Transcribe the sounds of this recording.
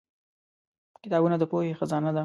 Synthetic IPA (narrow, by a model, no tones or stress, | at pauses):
kɪt̪ɑbunad̪əpohexazɑnad̪a